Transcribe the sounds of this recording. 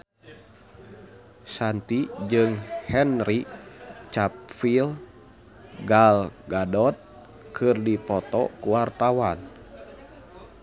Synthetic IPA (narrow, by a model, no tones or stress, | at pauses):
sant̪id͡ʒɨŋhɛnɾit͡ʃap̚fil | ɡalɡadɔt̪̚ | kʰɨrdipɔt̪ɔ̰kuwart̪awan